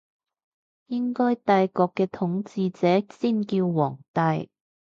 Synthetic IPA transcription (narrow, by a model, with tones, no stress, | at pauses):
jɪ˥ŋkɔː˥jt̪aː˧jkɔː˧kːɛː˧t̪ʰʊ˨˥ŋt͡siː˧t͡sɛː˨˦siː˥˩nkiː˧wwɔː˨˩ŋt̪ɐ˧j